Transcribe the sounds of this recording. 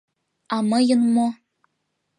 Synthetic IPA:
ɑmɤjɤ̆nmo

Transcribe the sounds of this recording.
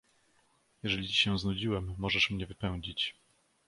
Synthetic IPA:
jɛʐɛlʲit͡ɕi̥ɕɛ̃w̃znud͡ʑiwɛmːɔʐɛʂmɲɛvɘpɛw̃d͡ʑit͡ɕ

